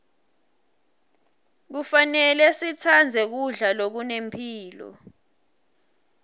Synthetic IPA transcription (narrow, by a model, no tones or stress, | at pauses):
k̬ufanɛlɛsitʰand͡zʱɛk̬uɮalok̬unempʰiːlɔ̰